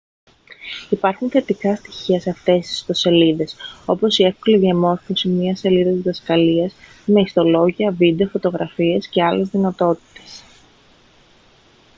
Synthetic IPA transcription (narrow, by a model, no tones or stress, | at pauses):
ipɐɾxunθe̞t̪ikɐst̪i̥çiɐseɐft̪e̞st̪i̥st̪o̞se̞liðe̞so̞po̞siefko̞liðiɐmo̞ɾfo̞simɲɐse̞liðɐt̪zðɐskɐliɐs | me̞ist̪o̞lo̞ʝiɐvid̪e̞ofo̞t̪o̞ɣɾɐfiesce̞ɐle̞zðinɐt̪o̞t̪i̥t̪e̞̥s